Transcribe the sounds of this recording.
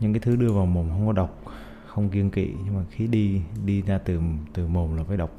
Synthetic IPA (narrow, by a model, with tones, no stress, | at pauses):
ɲɨ̰˧˥ŋkaː˨˦jt̪ʰɨ˨˦ɗɨ˧əvaː˨˩wmo˨˩ŋ͡mxə˧wŋ͡mkɔ˨˦ɗə˨˩wk͡p̚ | xə˧wŋ͡mki˧ənkḭ˧˨ɲɨ˧ŋmaː˨˩xi˨˦ɗi˧ɗi˧zaː˧t̪ɨ˨˩t̪ɨ˨˩mo˨˩mlaː˨˩faː˨˧˦jɗə˨˩wk͡p̚